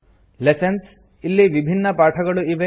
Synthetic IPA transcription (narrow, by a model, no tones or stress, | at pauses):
lesɐns | ilːiʋibʱinːɐpaːʈʰɐɡɐɭuiʋe